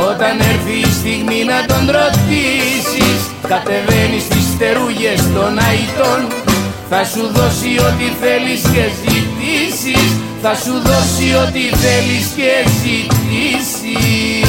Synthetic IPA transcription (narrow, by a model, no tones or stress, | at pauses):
o̞t̪ɐne̞ɾθiːst̪iɣminɐt̪o̞nd̪ɾo̞t̪isis | kɐt̪e̞ve̞nist̪ist̪e̞ɾuʝe̞st̪o̞nɐit̪o̞n | θɐsuðo̞sio̞t̪iθe̞lisce̞zit̪isis | θɐsuðo̞sio̞t̪iθe̞lisceːɡzit̪is | i